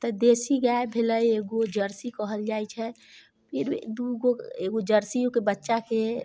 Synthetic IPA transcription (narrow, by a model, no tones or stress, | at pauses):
t̪əd̪esiɡaebʱeləjeɡod͡ʒəɾsikəɦəld͡ʒajt͡ʃʰɛ | pʰiɾ̰d̪uɡoeɡod͡ʒəɾsiokebətːʃake